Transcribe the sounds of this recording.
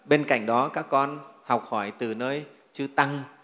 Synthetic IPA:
ɓe˧nka̰˧˩˨jŋ̟ɗɔ˨˦kaː˦˥kːɔ˧nha˨˩wk͡p̚hɔ˧˩jt̪ɨ˨˩nəː˧j | t͡ɕɨ˧t̪a˧ŋ

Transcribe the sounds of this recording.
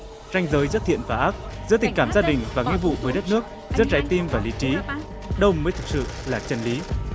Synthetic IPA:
za˧jŋ̟zəː˨˦jzɨ˦˥t̪̚ʰḭ˧˨ənvaː˨˧˩ʔaː˦˥k̚zɨ̰˧˥t̪i˨˩ŋ̟kaː˧˩mzaː˧ɗï˨˩ŋ̟vaː˨˩ŋi˧vṵ˧˨vəː˨˦jɗə˦˥t̚nɨ˦˥ək̚ | zɨ̰˦˥t̚t͡ɕaː˨˦jt̪i˧mvaː˨˩li˨˦t͡ɕi˨˦ | ɗə˧wməː˨˦jt̪ʰɨ˨˩k̚sɨ̰˧˨laː˨˩t͡ɕə˧nli˨˦

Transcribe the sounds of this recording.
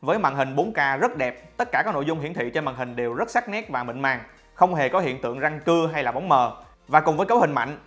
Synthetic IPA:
vəː˨˦jma̰ː˧˨ŋɦï˨˩ŋ̟ɓo˨˦nkaː˧zə˦˥t̚ɗɛ˨˩p̚t̪ə˦˥t̚kaː˧˩kːaː˦˥no̰˧˨zʊ˧ŋ͡mhḭ˧˨nt̪ʰḭ˧˨t͡ɕma̰ː˧˨ŋhï˨˩ŋ̟ɗe˨˩wzə˦˥t̚sa˦˥k̚nɛ˦˥t̚vaː˨˩mḭ˧˨ŋ̟maː˨˩ŋ | xə˧wŋ͡mɦe˨˩kɔ˨˦hḭ˧˨nt̪ɨ̰˧˨əŋza˧ŋkɨ˧əɦa˧jlaː˨˩ɓa˨˦wŋ͡mməː˨˩ | vaː˨˩kʊ˨˩ŋ͡mvəː˨˦jkə˨˦whï˨˩ŋ̟ma̰˧˨jŋ̟

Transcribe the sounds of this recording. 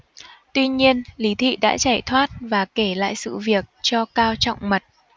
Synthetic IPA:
t̪wi˧ɲi˧ənli˨˦t̪ʰḭ˧˨ɗa̰ː˧˥t͡ɕaː˧˩jt̪ʰwaː˦˥t̚vaː˨˩ke˧˩la̰ː˧˨jsɨ̰˧˨vi˨˩ək̚t͡ɕɔ˧kaː˧wt͡ɕɔ̰˧˨wŋ͡mmə˨˩t̚

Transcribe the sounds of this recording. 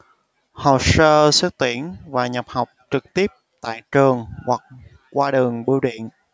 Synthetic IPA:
ho˨˩w̚səː˧sə˦˥k̚t̪i˧˩ənvaː˨˩ɲə˨˩p̚ha˨˩wk͡p̚t͡ɕɨ˨˩k̚t̪i˦˥əp̚t̪a̰ː˧˨jt͡ɕəː˨˩əŋhwa˨˩k̚ | kwaː˧ɗəː˨˩ŋɓi˧˦wɗḭ˧˨ən

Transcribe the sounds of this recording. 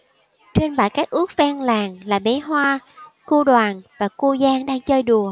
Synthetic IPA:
t͡ɕwe˧nɓaː˧˩jkaː˦˥k̚ʔu˦˥ək̚vaː˧ŋlaː˨˩ŋlaː˨˩ɓe˨˦ɦwaː˧ku˧ɗwaː˨˩nvaː˨˩ku˧zaː˧ŋɗaː˧ŋt͡ɕəː˧jɗu˨˩ə

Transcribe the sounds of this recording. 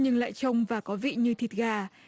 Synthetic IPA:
ɲɨ˧ŋla̰ː˧˨jt͡ɕə˧wŋ͡mvaː˨˩kɔ˨˦vḭ˧˨ɲɨ˧t̪ʰi˨˩t̚ɣaː˧

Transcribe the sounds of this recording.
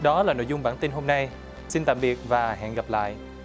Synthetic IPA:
ɗɔ˨˦laː˨˩no̰˧˨jzʊ˧ŋ͡mɓaː˧˩nt̪i˧nɦo˧mna˧j | si˧nt̪a̰ː˧˨mɓi˨˩ət̚vaː˨˩ɦɛ̰ː˧˨nɣa˨˩p̚la̰ː˧˨jʔ

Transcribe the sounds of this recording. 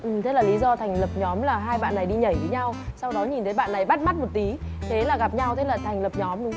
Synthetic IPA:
ʔɨ˨˩mt̪e˨˦˥laː˨˩li˨˦zɔ˧t̪ʰa˨˩jŋlə˨˩p̚ɲɔ˨˦mlaː˨˩ɦaː˧jɓa̰ː˧˨nːa˨˩jɗi˧ɲə˧˩jvəː˨˦ɲa˧wsa˧wɗɔ˨˦ɲi˨˩nt̪ʰə˨˦jɓa̰ː˧˨nːa˨˩jɓa˦˥t̚ma˦˥t̚mo˨˩t̚t̪i˨˦ | t̪ʰe˨˦laː˨˩ɣa˨˩p̚ɲa˧wt̪ʰe˨˦laː˨˩t̪ʰa˨˩ŋ̟lə˨˩p̚ɲɔ˨˦mɗʊ˨˦ŋ͡m

